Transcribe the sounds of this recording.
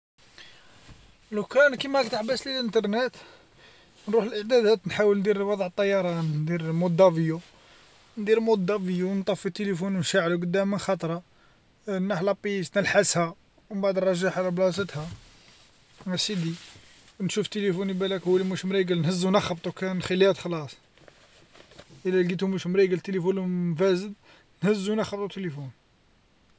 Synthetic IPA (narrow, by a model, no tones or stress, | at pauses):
lukɾænkimækt̪aħbæsləlʔənt̪ɑɾˤnət̪ | nɾuħəlʔəʕd̪æd̪æt̪nħawəlnd̪iɾwɑd̪ˤʕət̪ˤːɑjːɑɾˤɑnnd̪iɾmud̪ːɑviju | nd̪iɾmod̪ːɑvijuwnt̪ˤɑfːit̪ːelifunwnʃaʕluɡəd̪ːæmːənxɑt̪ˤɾˤɑ | nːaħlɑpːist̪nəlħəshæ | wmbaʕd̪rˤɑʒːaħalæblɑs̬ət̪hæ | æsid̪i | nʃuft̪elifunibælækhuːælimuʃmɾiɡəlnhəzːunɑxɑbt̪ˤukænxilːihæt̪xɑlɑsˤ | ʔəlːæɡit̪umuʃmɾiɡəlt̪elifunmfæzəd̪̚ | nhəzːunɑxɑb̚t̪ˤut̪elifun